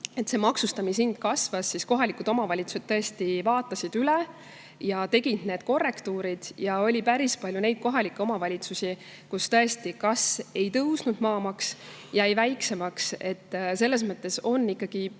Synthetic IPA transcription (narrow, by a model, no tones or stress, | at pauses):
e̞t̪se̞mɑksust̪ɑminsind̪̥kɑsvɑsːisko̞ɦɑlikud̪o̞mɑvɑlʲit̪su̥se̞t̪̚t̪ːɤest̪ivɑːt̪ːˑɑsid̪̥yle̞ | jɑt̪e̞ɡ̥ind̪ne̞ːd̪̥ko̞rːe̞kt̪uːɾid̪̥jɑo̞lʲipæɾispɑljune̞jd̪̥̚ko̞ɦɑlikːˑeo̞mɑvɑlʲit̪susi | kust̪ɤ̞est̪ikɑse̞jt̪ɤwsnud̪mɑːmɑks | jɑejvæjkse̞mɑkse̞t̪ːse̞lːe̞s̬mɤt̪ːˑe̞so̞nːikˑːɑɡ̥i